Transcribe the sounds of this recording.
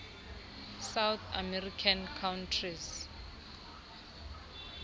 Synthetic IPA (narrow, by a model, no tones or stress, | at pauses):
sawt̪ʰamɛrikʰankʰawntʰriz